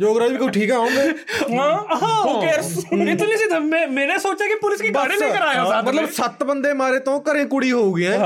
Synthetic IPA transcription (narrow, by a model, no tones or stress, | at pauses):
d͡ʒoːɡɾaːd͡ʒbiːkoʈʰiːkɛaːõːɡeːãɦokeɾsɪt̪ːnisit̪əmɛ̃mɛ̃ːnesoːt͡ʃakipʊlɪskiɡaɽẽkəɾaːeomət̪ləbsət̪bənd̪eːmaːɾeːt̪õːkəɾẽːkʊɽiɦoːɡiɛ̃ː